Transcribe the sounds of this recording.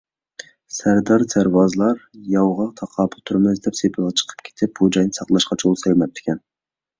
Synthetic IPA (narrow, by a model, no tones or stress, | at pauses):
sæɾd̪ɑɾt̪ʰæɾwɑzɨlˠɑɾjɑwʁɑt̪ʰɑqʰɑːpʰʊt̪ʰuɾmɨzd̪ɛpsepʰɪlˠʁɑt͡ʃʰə̥qʰə̥pkʲʰe̥t̪ʰɪp̚b̥ud͡ʒɑjnɨsɑqlˠɑʃqɑt͡ʃʰolˠsɛlʲmɛp̚t̪ʰːɪ̥kʲʰɛn